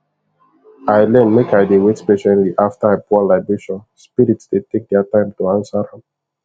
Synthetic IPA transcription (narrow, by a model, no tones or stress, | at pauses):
aɪlɛ̃nmekaɪdewetspeʃɛ̃nliʔaftaepʰualaɪbɹeʃɔ̃nspiɾitsd̥etek̚dɛatãɪ̃mtuãnsaɾɛ̃m